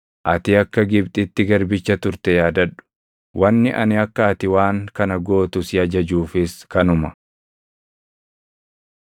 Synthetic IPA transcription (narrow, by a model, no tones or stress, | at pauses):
ʔɐt̪ɪɐkːɐɡɪbt̪ʼɪt̪ːɪɡɐɾbɪt͡ʃːɐt̪ʊɾt̪ɛjaːd̪ɐᶑʊ̥ | wʔɐnːɪʔɐ̰nɪɐkːɐɐt̪ɪwaːŋkɐnɐɡo̞ːt̪ʊsɪɐd͡ʒɐd͡ʒuːfɪskɐnʊmɐ